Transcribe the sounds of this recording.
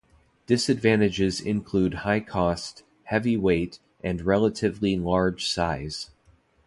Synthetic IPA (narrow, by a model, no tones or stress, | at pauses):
d̥ɨsɨdvæ̃ɾ̃ɨd͡ʒɪzɪ̰̃nkʰl̥ud̚haɪkʰɔst̚ | hɛviweɪɾ | ʔɨ̃nɹɛlˠəɾɨvlilɑɹd̥ʒ̥saɪz̥